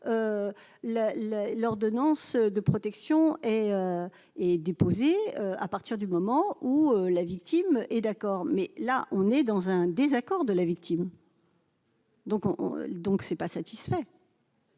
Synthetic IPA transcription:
ø | lalalɔʁd̪ɔnɑ̃sød̪əpχɔt̪ɛksjɔ̃ɛø | ɛd̪epozeøa̰paʁt̪iʁd̪ymɔmɑ̃uølavikt̪imʔɛd̪akɔʁmɛlaʔɔ̃nɛd̪ɑ̃zɛ̃d̪ezakɔʁd̪əlavik̚t̪ʰim | d̪ɔ̃kɔ̰̃d̪ɔ̃ksɛpasat̪i̥sfɛ

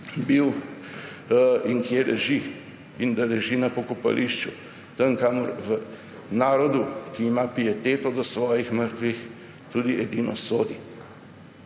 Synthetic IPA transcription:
biw | iŋkjelʔɛʒi | ind̪alɛʒinɐpɔkɔpa̰lʔiʃt͡ʃu | t̪əŋkamɔɾʋə | naːɾɔd̪ukiːmapiɛt̪eːt̪ɔd̪ɔsʋɔːjixməɾt̪ʋix | t̪uːd̪iʔɛd̪inɔsoːd̪i

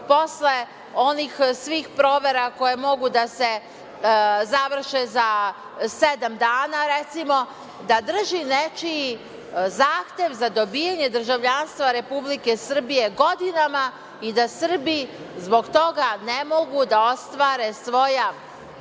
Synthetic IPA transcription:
po̞sle̞ | o̞nixsʋiːxpɾo̞ːʋe̞ɾako̞je̞mo̞ɡud̪ase̞ | zaʋr̩ʃeza | sed̪amd̪aːnaɾet̪simo̞ | d̪ad̪r̩ʒinet͡ʃi | zaːxt̪e̞ʋzad̪o̞bijaɲe̞d̪r̩ʒaʋʎanst̪ʋaɾe̞publike̞sr̩bije̞ɡo̞d̪inama | id̪asr̩bi | zbo̞ɡt̪o̞ɡanemo̞ɡud̪ao̞st̪ʋaːɾe̞sʋo̞ja

